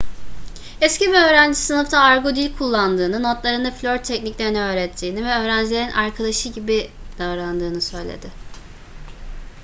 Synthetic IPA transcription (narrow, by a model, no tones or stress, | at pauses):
ɛsciviø̞ːɾænd͡ʒisɯnɯft̪ʰaːɾɡod̪ilʲkʰulˠːand̪ɯːnɯno̞t̪lˠaɾɯnaflʲoɾt̪ʰːɛcniclʲeɾiniø̞ːɾɛt̪ʰːiːnivɛø̞ːɾænd͡ʒilʲeinʔaɾkʰad̪aʃɯɟibid̪̥avɾand̪ɯːnɯsø̞jlʲḛd̪ɪ